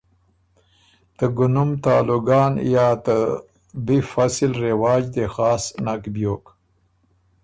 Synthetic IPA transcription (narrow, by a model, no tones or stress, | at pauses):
t̪əɡʊnʊmt̪aːluɡɑːnjaːt̪ə | bifasɪlɾewɑːd͡ʒd̪exaːsnakbjoːk